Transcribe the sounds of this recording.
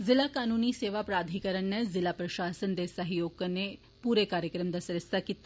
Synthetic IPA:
zɪlakaːnuːniseːʋapɾaːd̪ʱikɐɾəɳnɐzɪlapɾɐʃaːsənd̪esɐɦjoːɡ̚kɐnːe | puːɾekaːɾjəkɾɐmd̪asɾɐst̪ʰakit̪ːa

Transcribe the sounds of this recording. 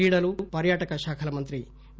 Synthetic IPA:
iːɽɐlupɐɾjaːʈɐkɐʃaːkʰɐlɐmɐnt̪ɾi

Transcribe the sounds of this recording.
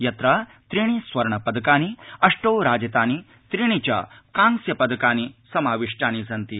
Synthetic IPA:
jɐt̪ɾɐt̪ɾiɳ̃isʋɐɾɳɐpɐd̪ɐkaːniɐʂʈɐwɾaːd͡ʒɐt̪aːni | t̪ɾiɳ̃it͡ʃa̰kaːŋsjɐpɐd̪ɐkaːnisɐmaːʋiʂʈaːnisɐnt̪i

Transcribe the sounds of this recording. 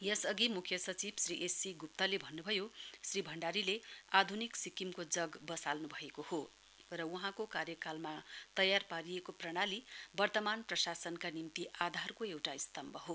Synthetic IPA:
jʌsʌɡimukʰjʌsʌt͡sibsriʔesiɡup̚t̪ʌlebʱʌnːubʱʌjosribʱʌɳɖaɾilead̪ʱuniksikimkod͡zʌɡbʌsalnubʱʌekoho | rʌwuɦãkokarjʌkalmat̪ʌjarpaɾijekoprʌɽ̃alibʌrt̪ʌmanprʌsasʌnkanimt̪iʔad̪ʱarkoewʈaist̪ʌmbʌɦo

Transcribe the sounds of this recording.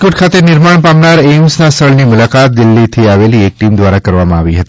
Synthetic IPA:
koʈ̚kʰat̪enɪɾmaɳpamnaɾemsnasʰəɭnimʊlakat̪̚d̪ɪlːit̪ʰiaʋeliek̚ʈimd̪ʋaɾakəɾʋamãaʋiɦət̪i

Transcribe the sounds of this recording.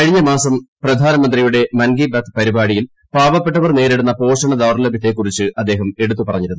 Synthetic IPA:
kɐɻiɲːɐmaːsɐmprɐd̪ʱaːnɐmɐnd̪rijuɽe̞mɐnɡibɐt̪pɐɾibaːɻijil | paːbɐpːe̞ʈːɐʋɐrneːɾeɽunːɐpo̞ːʂɐɳɐd̪ɐʋɐrlɐbʱit̪ːe̞kːurit͡ɕːɨʔɐd̪ːe̞ːɦɐme̞ɽut̪ːupɐrɐɲːiɾunu

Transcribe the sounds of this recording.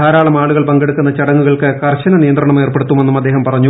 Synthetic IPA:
aːɾaːɭɐmaːɭuɣɐɭpɐŋɡe̞ɽukːunːɐt͡ɕɐɽɐŋːuɣɐɭkɨkɐrɕɐnɐnijɐnd̪rɐɳɐme̞ːrpeɽut̪ːumenːumɐd̪ːeːɦɐmpɐrɐɲːu

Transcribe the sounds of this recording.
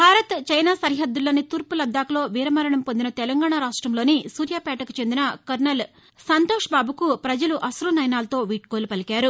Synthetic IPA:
bʱaːɾɐt̪t͡ʃɐjnaːsɐɾɦɐd̪ːuloːnit̪uːɾpulɐd̪ːaːkulo̞ːʋiːɾɐmɐɾɐɳɐmpond̪inɐt̪ɛlɐŋɡaːɳaːɾaːʂʈɾɐmlo̞ːnisuːɾjaːpɛːʈɐku̥t͡ʃe̞nd̪inɐkɐɾnɐl | sɐnt̪oːʂɐbaːbukupɾɐd͡ʒɐluʔɐsɾuːnɐjnaːlɐt̪o̞ːʋiːʈ̚kolupɐlikaːɾu

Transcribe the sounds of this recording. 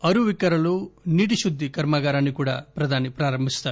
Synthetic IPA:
ɐɾuʋikɐɾɐluniːʈiʃud̪ːikɐɾmaɡaːɾaːnːikuːɽɐ̰pɾɐd̪ʱaːnipɾaːɾɐmbʱist̪aːɾ

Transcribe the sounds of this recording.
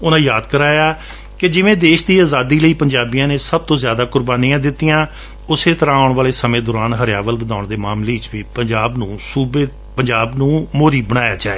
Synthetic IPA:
ʊnãːjaːd̪kəɾaːjaː | kɪd͡ʒɪʋẽːd̪eːʃd̪iːaːzaːd̪iːləiːpəɲd͡ʒaːbijãːneːsəb̚t̪õːzjaːd̪aːkʊɾbaːniːãːd̪ɪt̪ːijãː | ʊseːt̪əɾãːəːʊɳʋaːleːsəmẽːd̪ɔːɾaːnɦəɾjaːʋəlʋəd̪aːʊɳd̪eːmaːmleːɪt͡ʃʋiːpəɲd͡ʒaːbnũːsuːbeː | pəɲd͡ʒaːbnũːmoːɾiːbəɽ̃aːja̰ːd͡ʒaːḛː

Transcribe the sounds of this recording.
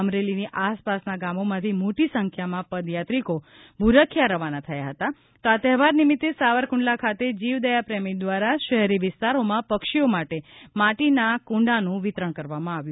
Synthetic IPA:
əmɾeliniʔaspasnaɡamomãt̪ʰimoʈisəŋkʰjamãpəd̪jat̪ɾiko | bʱuɾəkʰːjaɾəʋanat̪ʰəjaɦət̪a | t̪oat̪ɛɦʋaɾnimit̪ːesaʋəɾkũɳɖlakʰat̪ed͡ʒiʋd̪əjapɾɛmid̪ʋaɾaʃəɦɛɾiʋɪst̪aɾomãpəkʃiomaʈemaʈinakũɳɖanũʋɪt̪ɾəɽ̃kəɾʋamãaʋjũ

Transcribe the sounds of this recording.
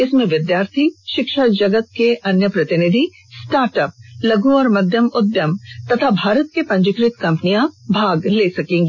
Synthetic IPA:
ɪsmẽʋɪd̪jaːɾt̪ʰiʃɪkʃad͡ʒɐɡət̪̚keʔɐnjəpɾɐt̪ɪnɪd̪ʱi | sʈaːɾʈəp̚lɐɡuɔːɾmɐd̪ʱjəmʊd̪jəmt̪ɐt̪ʰabʱaːɾət̪̚kepɐ̃ɲd͡ʒɪkɾɪt̪kɐ̃mpənijãbʱaːɡleːsɐkẽːŋɡi

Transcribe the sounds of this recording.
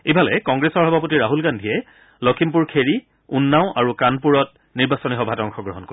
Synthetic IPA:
ebʱalɛkɔŋɡɹesɔɹɦɔbʱap̬otiɹaɦulɡandʱiɛ | lɔkʰimpuɹkʰeɹi | unːaʊ̃ʔaɹukanpuɹɔt̚ | niɹbasɔniɦɔbʱatɔŋxɔɡɹɔɦɔnko

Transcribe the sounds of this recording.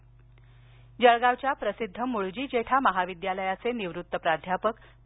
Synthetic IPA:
d͡ʑəɭɡaʋt͡ɕjapɾəsid̪ʱːəmuɭd͡ʑiːd͡ʑeʈʰaməɦaʋid̪jaləjat͡seniʋɾut̪ːəpɾad̪ʱjapək

